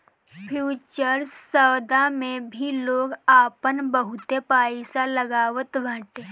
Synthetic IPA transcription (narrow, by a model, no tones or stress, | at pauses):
pʰjuːt͡ʃəɾsəwd̪amẽbʱiloːɡaːpənbəɦʊt̪epaːisaləɡaːʋət̪ʋãːʈeː